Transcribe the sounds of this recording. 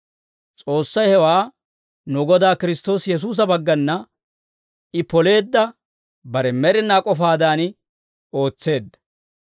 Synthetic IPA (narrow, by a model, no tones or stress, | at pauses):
t͡sʼo̞ːsːɐjhɛwaː | nʊɡɔd̪aːkɪɾɪst̪o̞ːsjɛs̬uːs̬ɐbɐɡːɐnːɐ | ɪpɔle̞ːd̪ːɐ | bɐɾɛmɛɾɪnːaːkʼɔfaːd̪aːn | o̞ːt͡sːe̞ːd̪ːɐ̥